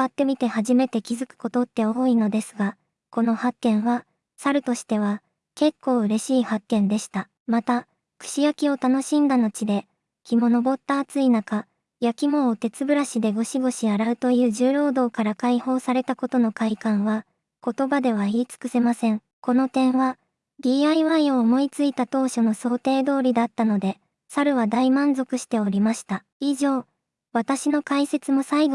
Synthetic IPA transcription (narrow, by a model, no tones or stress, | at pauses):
at̪ːe̞mʲit̪e̞haʑime̞t̪e̞kʲizɨkɯ̥ko̞t̪o̞t̪ːe̞oino̞d̪e̞sɨɡa | ko̞no̞hakːẽ̞ɰ̃βa | saɾɯ̟t̪o̞ɕi̥t̪e̞β̞a | ke̞kːo̞ːɯ̟ɾe̞ɕiːhakːẽ̞nd̪e̞ɕi̥t̪a | mat̪a | kɯ̟̥ɕijakʲio̞t̪ano̞ɕĩnd̪ano̞t͡ɕid̪e̞ | kʲimo̞no̞bo̞t̪ːaːt͡sɨinaka | jakʲimo̞ːt̪e̞t͡sɨbɯ̟ɾaɕid̪e̞ɡo̞ɕiɡo̞ɕiaɾaɯ̟t̪o̞jɯ̟ːʑɨːɾo̞ːd̪o̞ːkaɾakaiho̞ːsaɾe̞t̪ako̞t̪o̞no̞kaikãɰ̃βa | ko̞t̪o̞bad̪e̞β̞aiːt͡sɨ̥kɯ̟se̞masẽ̞ŋ | ko̞no̞t̪ẽ̞ɰ̃βa | ɾʲiːaiβaio̞ːmo̞it͡sɨit̪at̪o̞ːɕo̞no̞so̞ːt̪e̞ːd̪o̞ːɾʲid̪at̪ːano̞d̪e̞ | saɾɯ̟βad̪aimãnzo̞kɯ̟ɕi̥t̪e̞o̞ɾʲimaɕi̥t̪a | iʑo̞ː | βat̪aɕino̞kaise̞t͡sɨmo̞saiɡ